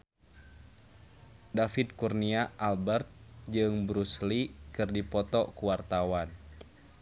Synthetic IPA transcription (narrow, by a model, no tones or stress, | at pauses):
dafit̪̚kurniaʔalbɛrt̪̚d͡ʒɨŋbɾuslikɨrdipɔt̪ɔkuwart̪awan